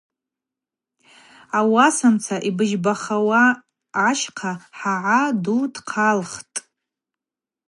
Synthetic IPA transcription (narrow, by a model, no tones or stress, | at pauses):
awasamt͡sʰaʔibɨʒbaχawaː | ʃqʰaħaʕadudqʰalχtʼ